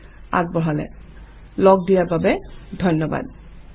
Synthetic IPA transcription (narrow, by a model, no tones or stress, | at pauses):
a̰ɡ̚bɔɦalɛ̰ | lɔɡ̚dijaɹbabɛdʱɔjnːɔba̰d